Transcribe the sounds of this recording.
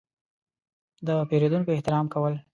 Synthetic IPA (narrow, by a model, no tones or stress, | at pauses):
d̪əpeɾed̪unkoɪht̪ɪɾɑmkawəl